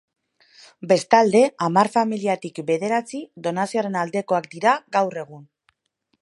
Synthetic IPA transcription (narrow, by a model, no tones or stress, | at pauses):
be̞st̪ald̪e̞amaɾfamiliat̪ikbe̞ðe̞ɾat͡siðo̞nasioaɾe̞nald̪e̞ko̞akd̪iɾaɣawre̞ɣ̞un